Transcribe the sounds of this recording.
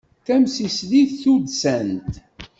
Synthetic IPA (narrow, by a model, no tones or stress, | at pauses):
θæmsisliθθud̪sænt̪